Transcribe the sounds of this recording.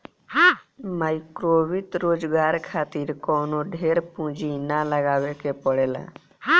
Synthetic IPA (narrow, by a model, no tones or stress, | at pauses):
ɦamaːɪkɾoːʋɪt̪ɾoːd͡ʒɡaːɾkʰaːt̪iːɾkɔːnoɖʱeːɾpũːd͡ʒinaləɡaːʋekepəɽeːla̰ː